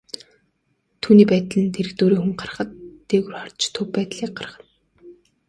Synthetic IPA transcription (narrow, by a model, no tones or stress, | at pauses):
t̪ʰuːniːpæːt̪ɮɘ̆nt̪ʰeɾɘ̆xt̪oːɾiːxuŋɢar̆χə̆t̪ːeːɣɘ̆rχɔr̥t͡ɕt̪ʰɵpːæːt̪ɮiːk̚ɢar̆χə̥̆t̪